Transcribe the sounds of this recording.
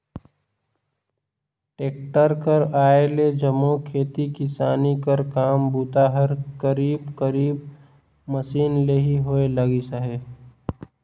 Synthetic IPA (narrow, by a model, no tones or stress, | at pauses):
ʈeːk̚ʈəɾkəɾaːeled͡ʒəmokʰeːt̪ikɪsaːnikəɾkaːmbuːt̪aɦəɾkəɾiːbkəɾiːb | məsiːnleɦiɦoeləɡisaɦeː